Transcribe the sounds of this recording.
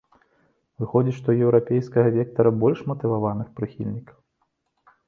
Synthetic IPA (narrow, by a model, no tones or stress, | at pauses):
vɨxɔd͡zʲiʂt̪ɔjɛwɾapʲejskɐɣɐvʲɛk̚t̪ɐɾɐbɔlʲʂmɐt̪ɨvavanɨxpɾɨxʲḭlʲnʲikɐw